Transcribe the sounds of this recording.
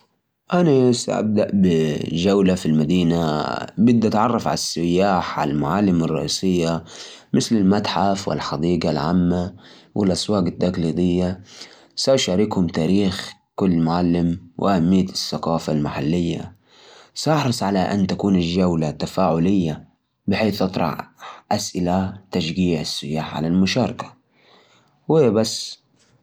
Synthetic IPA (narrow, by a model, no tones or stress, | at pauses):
ʔanasa̰ʔa̰b̚d̪aʔbɪd͡ʒawlafilmad̪iːnabɪd̪ʔat̪ʕɑrˤːɑfʕa̰lasːɪjːaːħʕa̰llmʊʕalːɪmɑrˤːɑ̰ʔḭːsɪjːa | mɪθlɪlmat̪ħafwɪ̰lħɑd̪iːɡalʕa̰mːa | wʔɪ̰lʔaswaːɡat̪ːaɡliːd̪ˤɪjːa | sawʃaɾikhʊmt̪aːɾiːxkʊlːmʊʕalːɪmwʔɪʔahamːɪjːasːaqɑːfalmaħalːɪjːa̰ | sʔɑħɾˤɨsˤʕalaʔa̰nːt̪akuːnɪld͡ʒawlat̪ːafaːʕʊlɪjːa | bɪħeːθʔɑt̪ˤɾˤɑ̰ʕʔasʔɪlat̪aʃɡiːʕɪsːɪjaːħʕa̰lalmʊʃɑːɾˤɑkḁ | wiːbasː